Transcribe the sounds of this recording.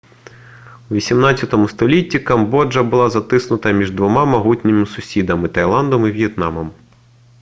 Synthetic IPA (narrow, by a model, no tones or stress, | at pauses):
uʋʲisʲimnɑt͡sʲɐt̪ɔmʊst̪ɔlʲitʲːikɐmbɔd͡ʒɐbʊlˠɑzɐt̪ɪsnʊt̪ɐmʲiʒd̪ʋɔmɑmɐɦutʲnʲɪmɪsʊsʲid̪ɐmɪt̪ɐjlˠɑnd̪ɔmiʋʲjɛt̪nɑmɔm